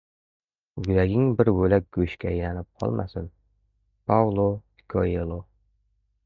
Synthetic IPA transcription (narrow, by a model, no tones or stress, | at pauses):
ɡʊlaɡʲɪŋbɪɾbɵlak̚ʲɡ̥ɵʃkʲaːjlanɪp̚qʰɒ̰lˠma̰sɪn | pʰawlˠo | kʰoelˠo